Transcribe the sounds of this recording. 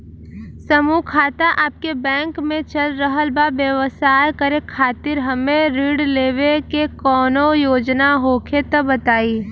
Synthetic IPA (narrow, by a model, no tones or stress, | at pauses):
sɐmukʰaːt̪aʔaːp̚kebɛ̃ːŋkmẽt͡ʃɐlɾəɦəlbaʋjəʋsaːjkəɾekʰaːt̪ɪɾɦɐmẽɾiːɽleːʋekekɔːnojoːd͡ʒnaɦoːkʰet̪ɐbɐt̪aːiː